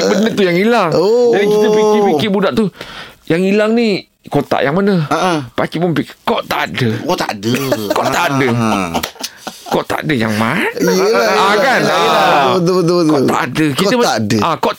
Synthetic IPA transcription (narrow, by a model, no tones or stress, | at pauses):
bənət̪ujaŋilaŋod͡ʒadikkit̪əpikɪpikɪbudaʔt̪ujaŋilaŋni | kot̪a̰ʔjaŋmanəpakiʔpʊnpikkɔʔt̪aʔadəa̰dəkɔʔʔ̪aʔadə | kɔʔt̪a̰ʔa̰dəja̰ŋmaniakanaət̪əbət̪bət̪kɔt̪a̰ʔadəkit̪əmdəakɔ